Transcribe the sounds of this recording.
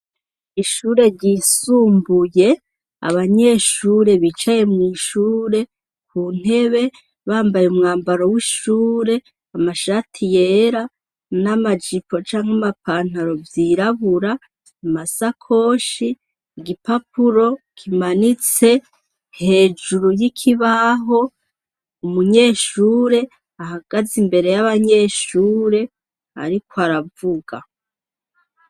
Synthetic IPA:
iʃuːɾe̞ɾɟisuːmbuje̞ | a̰βaɲe̞ːʃuːɾe̞βit͡ʃaje̞mŋiːʃuːɾe̞ | kun̥e̞βe̞ | βaːmbajumŋaːmbaɾo̞wiʃuːɾe̞ | amaʃatʰije̞ːɾa | namad͡ʒipo̞t͡ʃaːŋhamapaːn̥haɾo̞vjiɾaβuɾaː | masakʰo̞ːʃi | ɡipapuɾo̞kʰimanit͡se̞ | he̞ːd͡ʒuɾujikʰiβaɦo̞ | umuɲe̞ːʃuːɾe̞ | ahaɡ̥azimbe̞ɾe̞jaβaɲe̞ːʃuːɾe̞ | a̰ɾikwaɾavuɡa̰

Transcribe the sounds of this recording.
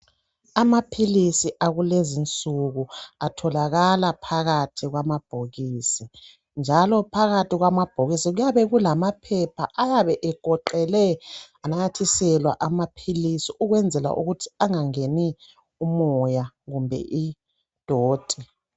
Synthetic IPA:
amapʰilisiʔaɣulezint͡sʼuɣuatʰɔlaɣalapʰaɣatʰiɣwamab̥ʱoɣiːsi | nd͡ʒʱalɔpʰaɣatiɣwamab̥ʱoɣisiɣujaβɛɣulamapʰɛpʰa̰ʔajaβɛʔɛɡ̥ʱɔǃɛlɛanajatʰisɛlwa̰ʔamapʰilisiʔuɣwɛnd͡zʱɛla̰ʔṵɣutʰi̥aŋaŋeni | umɔjaɣumbʱɛ̰ʔi | d̥ʱoːd̥ʱɛ

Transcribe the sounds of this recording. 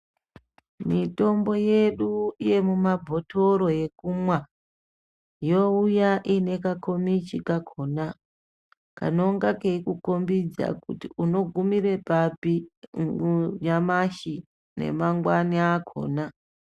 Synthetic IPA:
mito̞mbo̞je̞ɗuije̞mumabʱo̞toɾo̞je̞kumwa | jo̞ujaʔine̞kakʰo̞mit͡ʃikakʰo̞na | ka̰no̞ŋɡakeikukombid͡za̰kṵtiuno̞ɡʱumiɾe̞papiɡuɲamaʃi | ne̞̰maŋɡwaniakʰo̞̰ːna

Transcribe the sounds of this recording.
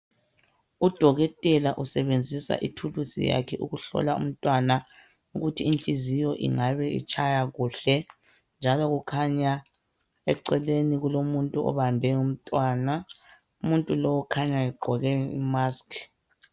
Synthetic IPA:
ud̥ʱɔɣɛtʼɛlaʔusɛβend͡zʱisa̰ʔitʰulusḭja̰kʰɛʔuɣuɬɔ̰laṵm̩tʼwana | uɣutʰiːnt͡ɬʼizijɔʔḭŋaβɛḭt͡ʃʼʰajaɣuːɬɛ | nd͡ʒʱalɔɣukʰaɲa | ɛ̰ǀɛleniɣulomuntʼuɔ̰βambʱɛum̩tʼwaːna | umuntʼulɔwɔkʰaɲaɛɡ͡ǃʱɔɣɛḭmaːskʰ

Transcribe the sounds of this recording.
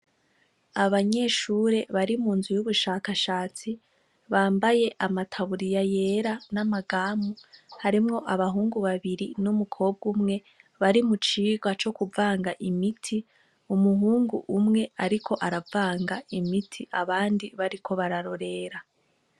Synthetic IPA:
aβaɲe̞ʃuːɾe̞βaɾimuːnzujuβuʃaːkaʃaːt͡si | βaːmbaje̞ʔamatʰaβuɾijajeɾanamaɡaːmuhaɾimŋo̞ʔaβaɦuːŋɡuβaβiɾinumukʰo̞ːb̚ɡumŋe̞ | βaɾimut͡ʃiːɡwat͡ʃo̞kuvaːŋɡaʔimitʰi | umuɦuːŋɡuʔumŋe̞aɾikʰo̞ʔaɾavaːŋɡaimitʰiaβaːndiβaɾikʰo̞βaɾaɾo̞ɾe̞ɾa

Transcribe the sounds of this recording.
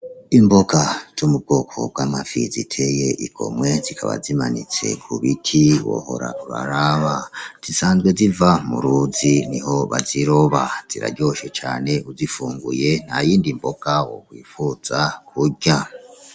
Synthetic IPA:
imboɡaz̥umub̚ɡo̞ːkʰo̞̰b̥̚wamafizitʰe̞jeʔiɡʰo̞̰mwe̞zikʰaβa̰zimanit͡se̞̰kʰuβitʰiwo̰ho̞ɾa̰ʔuβa̰ɾaβaz̥isaːnzɡwe̞zivamuɾuːziniɦo̞βaziɾoβaz̥iɾa̰ɟo̞ʃe̞t͡ʃaːne̞ʔuzifuːŋɡuje̞n̥hajiːndimboɡawo̰kwiːfuz̥akʰuɟa

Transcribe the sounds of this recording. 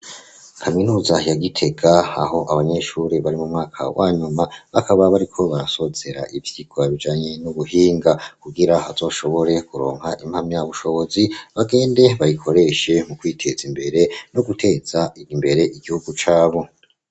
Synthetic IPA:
kʰaminuːzajaɡitʰe̞ɡaa̰ho̞ʔaβaɲe̞ʃuɾeβaɾimumŋaːkʰa̰wʔaːɲumaβakʰaβaβaɾikʰo̞βaɾaso̞ze̞ɾa̰ʔivj̥iɡoaβid͡ʒaːɲe̞nuβuhiːŋɡakuɡiɾaha̰z̥o̞ːʃo̞βo̞ɾe̞kuɾo̞̰ːŋhaʔimhamɲjaːβuʃo̞βo̞ziβaɡe̞ːnde̞βaɾikʰo̞ɾe̞ʃe̞mukwiːtʰe̞zimbe̞ɾe̞no̞ɡutʰe̞ːz̥aiimbe̞ɾe̞ʔiɡihuɡut͡ʃaːβo̞

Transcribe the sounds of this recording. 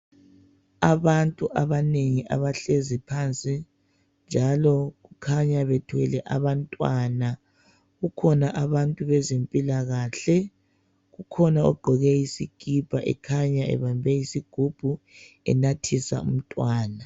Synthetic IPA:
aβantʼuʔaβaneŋiʔa̰βaɬezipʰant͡sʼi | nd͡ʒʱalɔɣukʰaɲaβɛtʰwɛlɛʔaβantʼwaːna | ɣukʰɔnaʔaβantʼuβɛzempʼilaɣaːɬɛ | ɣukʰɔnaɔɡ͡ǃʱɔɣɛjisiɡ̥ʱib̥ʱaʔɛ̰kʰaɲaɛ̰βambʱɛjisiɡ̥ʱub̥ʱu | ɛ̰natʰisa̰ṵm̩tʼwaːna

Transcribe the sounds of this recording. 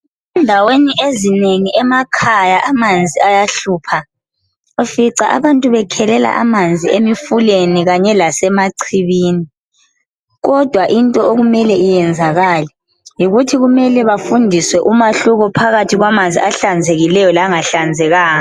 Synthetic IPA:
ɛndʱaweniʔezineŋiʔɛmakʰajaʔamand͡zʱiajaɬuːpʰa | ofiǀaʔa̰βantʼuβɛkʰɛlɛla̰ʔa̰mand͡zʱiemifuleniɣaɲɛlasɛmaǀʰiβiːni | ɣɔd̥ʱwaʔintʼɔoɣumɛlɛijɛnd͡zʱaɣalɛ | jiɣutʰiɣumɛlɛβafundʱiswɛʔumaɬuɣɔpʰaɣatʰiɣwamand͡zʱiaɬand͡zʱeɣilɛjɔlaŋaɬand͡zʱɛɣaːɔ

